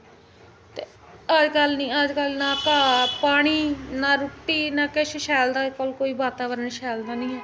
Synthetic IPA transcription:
t̪eː | əd͡ʒkəlnĩːəd͡ʒkəlnaːkaːpaːɽ̃iːnaːɾʊʈːiːnaːkeʃʃɛːld̪aːkəlkoːiːbaːt̪aːbəɾənʃɛːld̪aːnĩː

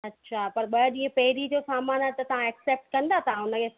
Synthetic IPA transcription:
ɐtːɕʰaːpɐɾɓɐɗĩːə̃pɐɦɪɾid͡ʑosaːmaːnaːt̪ɐt̪ɐʋ̤ãekseːp̚ʈ̚kɐ̃nd̪at̪ɐʋãʊnə̆kʰe

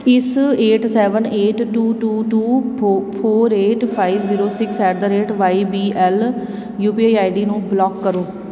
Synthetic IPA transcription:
ɪseːʈsɛːʋəneːʈʈuːʈuːʈuːpʰoːɾeːʈpʰaːiʋziːɾoːsɪkʰsɛːʈ̚d̪aːɾeːʈʋaːibiːʔɛːl | juːpiːaːaːiɖiːnũːblɔːkːəɾoː

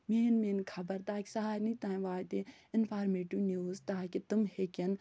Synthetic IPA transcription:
meːnmeːnkʰɐbɐɾt̪aːki̥saɦaːɾnit̪ãːĩʋaːt̪e | ɪnpʰaːɾmeːʈuːnjuːzt̪aːkit̪ɨmhekʲɐn

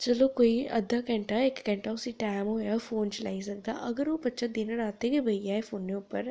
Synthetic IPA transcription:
t͡ʃɐloːkoiɐd̪ʱakɐɳʈaekːɐɳʈausiʈaːmɦoːjaːfoːnt͡ʃlɐjsɐɡd̪a̰ʔɐɡɐɾupɐt͡ʃːɐd̪inɐɾaːt̪ekebʱɐjaːjfʰoːnːeupːɐɾ

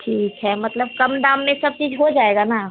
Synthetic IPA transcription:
ʈʰiːkɦɛmɐt̪ləb̚kɐmd̪ãːmːẽsɐb̚t͡ʃiːd͡ʒɦod͡ʒaːeːɡana

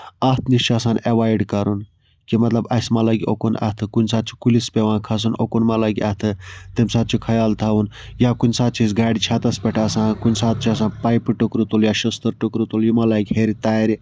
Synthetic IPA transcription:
ɐt̪ʰnit͡ʃʰasaːneʋaːjɖkɐɾun | kimɐt̪lɐbɐsmɐlɐɡʲiokonɐ̰t̪ʰɨkunʲsaːt̪̚t͡ʃʰi̥kulispʲeʋãːnkʰɐs̬unokonmɐlaɡʲiɐt̪ʰɨt̪emʲsaːt̪̚t͡ʃʰikʰɐjaːlt̪ʰawun | jakunʲsaːt̪̚t͡ʃʰizɡaːɖit͡ʃʰat̪ɐspʲeʈʰaːsãːkunʲsaːt̪̚t͡ʃʰiɐs̬ãːnpɐjpʈukɾut̪uljaːʃɐst̪ɨɾʈukɾut̪uljimɐlaːɡʲheɾit̪aːɾi

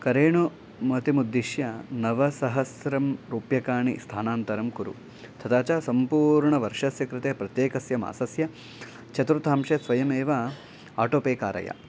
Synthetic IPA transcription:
kɐɾeːɳu | mɐt̪imud̪ːiʃjɐnɐʋɐsɐɦɐsɾɐmɾuːpjɐkaːɳḭst̪ʰaːnaːnt̪ɐɾɐmkuɾṵ | t̪ʰɐt̪aːt͡ʃaːsɐmpuːɾɳɐʋɐɾʂɐsjɐkɾɪt̪eːpɾɐt̪jeːkɐsjɐma̰ːsɐsjɐ | t͡ʃʰɐt̪ɾut̪ʰaːmʂesʋɐjɐmeːʋɐ | aːʈoːpeːkaːɾɐ̰ja̰

